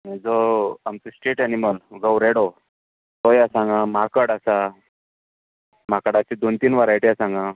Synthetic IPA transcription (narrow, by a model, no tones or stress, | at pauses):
mɛd͡zoamt͡sesʈeʈɛniməlɡəwɾeɽo | t̪ojasãŋɡãmakəɽasa | makəɽat͡ɕid̪ont̪iːnʋaɾajʈijasãŋɡã